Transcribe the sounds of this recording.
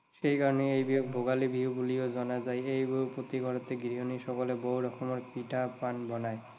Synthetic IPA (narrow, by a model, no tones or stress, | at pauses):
ʃejkaɹɔneejbiɔk̚bʱoɡalibʱiubuliozɔnazajejbupot̪iɡʱɔɹɔt̪eɡɹiɦɔniʃɔkɔleboɦwɾɔkʰɔmɔɹpiʈapanbɔnaj